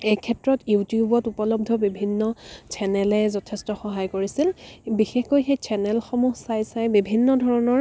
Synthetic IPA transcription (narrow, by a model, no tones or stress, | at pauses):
ejkʰɛtɹɔtjutjubɔtupɔlɔb̚dʱɔbibʱinːɔt͡ʃʰɛnɛlɛzɔtʰɛstɔxɔɦajkoɹisilbixexkojxejt͡ʃʰɛnɛlxɔmuɦsajsajbibʱinːɔdʱɔɹɔnɔɹ